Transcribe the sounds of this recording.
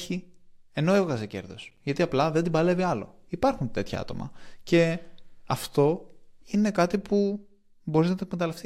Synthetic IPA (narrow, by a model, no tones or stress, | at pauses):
çie̞no̞evɣɐsece̞̰ɾðo̞̰sʝɐt̪iɐplɐðe̞nd̪ibɐle̞viɐlo̞̰ipɐɾxunt̪e̞t̪çɐ̰ɐ̰t̪o̞mɐ̰ce̞ɐft̪o̞ine̞kɐt̪ipu | bo̞ɾiznɐt̪okmet̪ɐlɐft̪i